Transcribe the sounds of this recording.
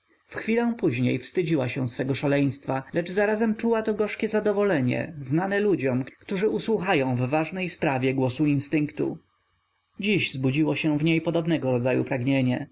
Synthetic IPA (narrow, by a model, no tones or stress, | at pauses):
fxfʲilɔ̃w̃puʑɲḛjfst̪ɘd͡ʑiwaɕɛ̃sfɛɡɔʂalɛj̃st̪falɛd͡ʐzaɾazɛmt͡ʂuwat̪ɔɡɔʂkʲɛzad̪ɔvɔlɛɲɛ̰znanɛlud͡ʑɔmkkt̪uʐɘʔuswuxajɔ̃w̃vːaʐnɛjspɾavʲjɛɡwɔsuinst̪ɘŋkt̪ṵ | d͡ʑiʑzbud͡ʑiwɔɕɛ̃vɲejpɔd̪ɔbnɛɡɔɾɔd̪zajṵpɾaɡɲeɲɛ